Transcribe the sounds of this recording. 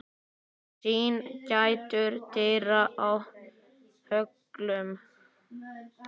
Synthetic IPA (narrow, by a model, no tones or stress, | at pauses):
t͡ʃiːncajt̪ʏɾt̪ʰɪɾaʔaw | hœk | lʏm